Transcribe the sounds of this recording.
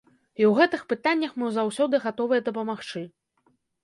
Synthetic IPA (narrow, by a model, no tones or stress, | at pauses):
iwɣɛt̪ɨxpɨt̪anʲːɐxmɨwzawsʲɔd̪ɨɣat̪ɔvɨjɛd̪ɐpɐmaxt͡ʂɨ